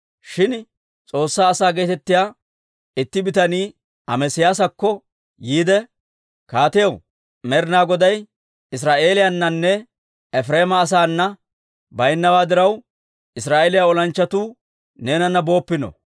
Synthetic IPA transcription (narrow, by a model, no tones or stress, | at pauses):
ʃɪn | t͡sʼo̞ːsːaːsaːɡe̞ːt̪ɛt̪ːɪjaː | ɪt̪ːɪbɪt̪ɐniː | ɐmɛsɪjaːs̬ɐkːɔ | jiːd̪ɛ | kaːt̪ɪjɐw | mɛɾnaːɡɔd̪ɐj | ɪs̬ɾaːʔe̞ːlɪjanːɐnːɛ | ɛfɾe̞ːmɐːs̬aːnːɐ | bɐjnːɐwaːd̪ɪɾɐw | ʔɪsɾaːʔeːlɪjaːɔlɐnt͡ʃːɐt̪uː | ne̞ːnɐnːɐbo̞ːpːɪnɔ̰